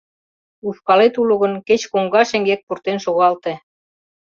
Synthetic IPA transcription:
ufkɑlet̪ulŏɣə̆nket͡ɕkoŋɡɑʃĕŋɡek̚purt̪enʃoɣɑlt̪e

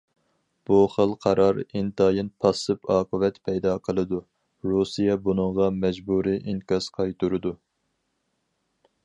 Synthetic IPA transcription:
b̥uχəlˠqʰɑɾɑɾint̪ɑːjinpʰɑsɨpɑːqʰəvɛt̪pʰɛjd̪ɑqʰəlˠɨd̪u | ɾusijɛbunɨŋʁɑmɛd͡ʒbuɾiʔiŋkɑsqʰɑjt̪uɾɨd̪u

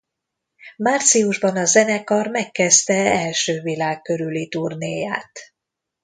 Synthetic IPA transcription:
maːrt̪sijuʒbɒnɒzɛnɛkɒrmɛkːɛst̪ɛɛlʃøːvilaːkkːø̞ɾylit̪urneːja̰ːt̪

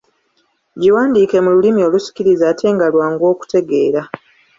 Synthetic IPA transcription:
ɟiwaːndiːke̞mululimio̞lusi̥ciɾizaːtʰe̞ːŋɡalwaːŋɡo̞ːku̥te̞ɡe̞ːɾa

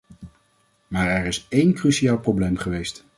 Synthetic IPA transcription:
maːɹɛɹɪsejnkrysiaːlˠprowblejmχəʋejst

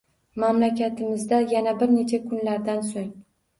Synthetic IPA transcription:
mamlakʲat̪ʰɪmɪzd̪ajanabɪɾne̞t͡ʃʰakʰʊnlaɾd̪ansoŋ

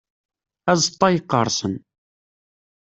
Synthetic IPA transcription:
æzt̪ˤːɑjəqːə̰ɾˤsən

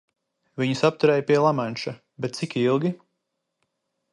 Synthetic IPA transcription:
viɲusap̚t̪uɾɛːjpiɛlˠamanʃa | bɛt̪t̪sikilˠɡʲi

